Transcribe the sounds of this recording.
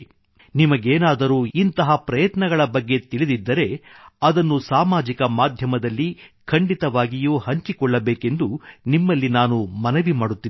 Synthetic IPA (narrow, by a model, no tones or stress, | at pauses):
nimɐɡeːnaːd̪ɐɾuːint̪ɐɦɐpɾɐjɐt̪nɐɡɐɭɐbɐɡːe̞t̪iɭid̪id̪ːɐɾe̞ɐd̪ɐnːusaːmaːd͡ʒikɐmaːd̪ʱjɐmɐd̪ɐlːikʰɐɳɖit̪ɐʋaːɡijuːhɐɲt͡ʃikɔɭːɐbeːke̞nd̪unimːɐlːinaːnumɐnɐʋimaːɽut̪ːi